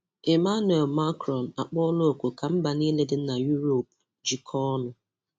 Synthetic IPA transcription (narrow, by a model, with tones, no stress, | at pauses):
e˨ma˦nwe˨lma˦kɾɔ˨na˨k͡pɔ˦lo˦o˨kʷo˨ka˨m̩˦ba˨ni˦le˦dɪ˦na˨ju˦ɾo˨p̚ | d͡ʒi˨kʰɔ˦nʊ˨